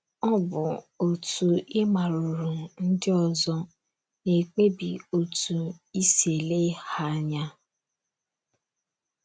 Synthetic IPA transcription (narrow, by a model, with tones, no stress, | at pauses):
ɔ˦bʊ˨o˨tu˨ɪ˦ma˨ɾu˨ɾu˨n̩˦dɪ˦ɔ˨zɔ˦ | ne˨k͡pe˦bi˨o˨tu˨i˦se˨le˦ha˦ɲa˦